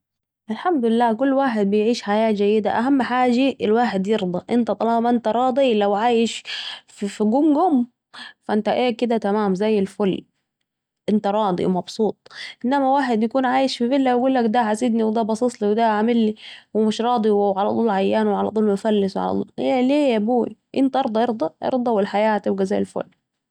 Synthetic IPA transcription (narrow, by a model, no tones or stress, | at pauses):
ʔɪlħamd̪ʊlɪlːaːk̬ʊlːwaːħed̪̚bɪjʕiːʃħajaːd͡ʒajːɪd̪aʔaɦamːħaːd͡ʒaʔlwaːħed̪jeɾd̪ˤɑʔɪnt̪æt̪ˤɑlɑːmʔɪnt̪aɾˤɑːd̪ˤilawʕaːjɪʃffiɡʊmɡʊm | faʔɪnt̪æʔeːkɪd̪æt̪amaːmzæjːɪlfʊlː | ʔɪnt̪aɾˤɑːd̪ˤḭmɑbsˤuːt̪ˤʔɪnːæmæwaːħed̪jakuːnʕaːjeʃfifelːæjɡuːlːækd̪æʕasid̪niwed̪æbɑsˤit̪ˤliwed̪æʕamɪlːiwemɪʃɾˤɑːd̪ˤiwʕalæt̪ˤuːlʕajːæːnweʕalæ̰t̪ˤuːlmʊfælːɪsweʕa̰æ̰t̪ˤṵleleːæbuːḭʔent̪æʔɑɾˤd̪ˤɑʔeɾd̪ˤɑʔḛɾd̪ˤɑwelħajaːhæt̪ɪb̚ɡæzæjːelfo̰lː